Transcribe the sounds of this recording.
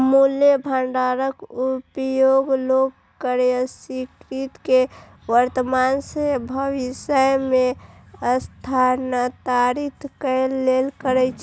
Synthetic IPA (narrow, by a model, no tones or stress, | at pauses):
muljebʱəɳɖaɾəkupjoɡloɡ | kəɾeəsikɾit̪ke | ʋəɾt̪əmansebʱəʋisəjmeəst̪ʰanət̪aɾit̪ʰkəlːelkəɾɛt͡ʃʰ